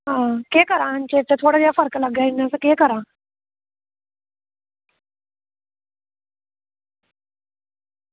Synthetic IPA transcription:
ɦãːkeːkəɾãːnt͡ʃeːt̪et̪ʰoːɽaːd͡ʒaːpʰəɾkləɡjaɪnasekeːkəɾãː

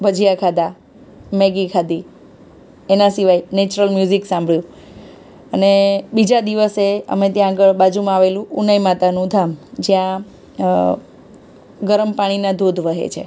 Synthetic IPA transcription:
bʱəd͡ʒʱijakʰad̪a | mɛɡikʰad̪i | enasiʋajnet͡ʃɾəlmjuziksãmbʱɭjũ | ənebid͡ʒad̪iʋəseə̰met̪jãːɡəɭbad͡ʒumãaʋelũʔunajmat̪anũd̪ʱamd͡ʒjã | ɡəɾəmpaɽ̃inad̪ʱod̪ʱʋəɦḛt͡ʃʰḛ

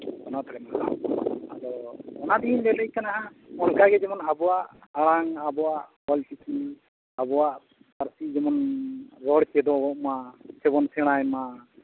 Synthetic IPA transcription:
kɔnat̪ɔɽɛmaʔa̰ad̪ɔɔnad̪inlɛləjkanaʔaɔnkaɡɛd͡ʒɛmɔnabɔwaʔaɽ̃aŋabɔwaʔhɔlt͡ʃiki | abɔwaʔ | paɾsid͡ʒɛmɔnɾɔɽt͡ʃɛd̪ɔɔʔmasɛbɔnsɛɽ̃ajma

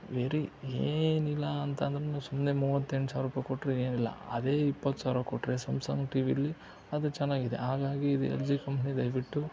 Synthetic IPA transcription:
ʋeɾieːnilːɐːnt̪ɐːnd̪ɐɾenusumːnemuːʋɐt̪ːeɳʈsaːɾuːpɐjkoʈːɾeeːnilːɐ̰ɐ̰d̪e̞ːipːɐt̪ːsaːɾukoʈːɾesɐmsɐ̰ŋɡʈiːʋiɐlːi | ɐd̪ut͡ʃɛnːaːɡid̪ḛɦaːɡaːɡiːd̪ṵḛld͡ʒiːkɐmpʰnid̪ɐjʋiʈːu

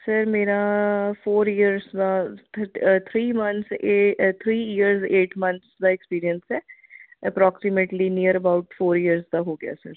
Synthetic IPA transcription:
səɾmeːɾafoːɾiəɾzd̪a | t̪ʰɾiːmɐ̃nʰset̪ʰɾiːiəɾzeːʈmɐ̃nt̪sd̪aekspiːɾiənsɛːəpɾɔːksɪmeʈlinijəɾəbaʊʈfoːɾijəɾzd̪aɦoːɡɪa̰sə̰ɾ

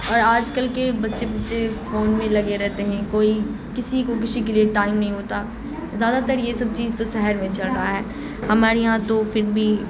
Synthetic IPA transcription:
ɔːɾaːd͡ʒkɐlkebɐtːʃebɐtːʃefoːnmẽlɐɡeɾɛɦt̪eɦɛ̃koːi | kɪsikok̬ɪsik̬ɪlieʈaːɪmnɐɦĩɦoːt̪a | zjaːd̪at̪ɐɾjesɐb̚t͡ʃiːzt̪osɛɦəɾmẽt͡ʃɐlɾaaɦɛː | hɐmaːɾejɐɦãt̪ofʰɪɾbʱi

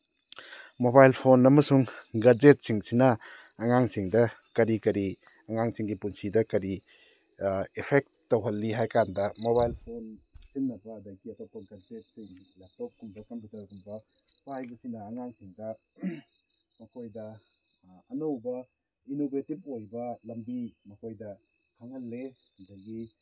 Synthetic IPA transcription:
mobajlpʰonɐmɐsuŋɡɐd͡ʒet̚siŋsinɐː | ŋaŋsiŋdɐkɐɾikɐɾi | ɐŋaŋsiŋɡipunsidɐkɐɾi | epʰek̚tːɐwɦɐlːiɦajkandɐmoβajlpʰonsinːɐbɐːdɐɡiɐtokonkɐnsep̚siŋlap̚tok̚ːumdakɐnbɐzakumbɐpajbɐsiŋnɐːŋaŋsiŋdɐ | mɐkʰojdɐ | ɐnowbɐ | inobʱetip̚ojbɐlɐmbimɐkʰojdɐ | haŋɐlːe | ɐdɐɡi

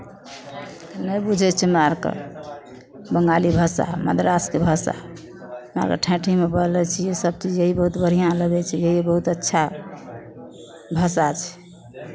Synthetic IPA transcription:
nəjbud͡ʒʱɛt͡ʃʰɛmaɾkḛ | bəŋɡalibʱəsa̰mə̰d̪ɾaskebʱəsa̰ | ma̰ɾkḛʈʰɛ̃ʈʰimebəlɛt͡ʃʰɛjesəb̚t͡ʃid͡ʒeɦibəɦut̪bəɾ̤ijãləɡɛt͡ʃʰɛjeɦibəɦut̪ətːʃʰa | bʱəsat͡ʃʰɛ̥

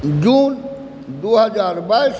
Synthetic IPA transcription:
d͡ʒuːn | d̪oːɦəd͡ʒaːɾbaːis

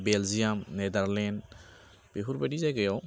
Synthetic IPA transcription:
belzijamned̪aɾlɛn | b̥eɦuɾbadizajɡajɔw

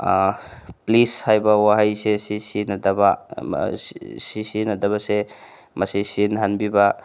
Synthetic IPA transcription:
plishajbawaɦajsesisinadaba | sisinadabase | masesinɦanbiba

